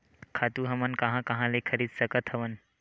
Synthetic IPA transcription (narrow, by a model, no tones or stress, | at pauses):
kʰat̪uɦɐmənkɐ̃ɦãkɐɦãlekʰəɾiːd̪səkət̪hɐʋən